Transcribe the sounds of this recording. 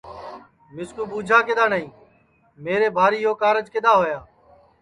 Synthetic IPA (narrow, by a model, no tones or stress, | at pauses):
mɪskuːɓuːd͡ʒʱaːkeːd̪aːnəĩː | meːɾeːbʱaːɾiːɦoːkaːɾəd͡ʒkɪɗ̪aːɦoːjaː